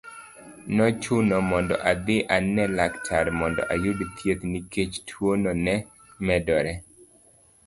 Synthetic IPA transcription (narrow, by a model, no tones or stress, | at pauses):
nɔt͡ʃʊnɔmɔndɔ̰ʔad̪ɪʔanɛlaktʰaɾmɔndɔ̰ʔajʊdt̪ʰjet̪niket͡ʃtʰwonɔnɛ | mɛdɔɾɛ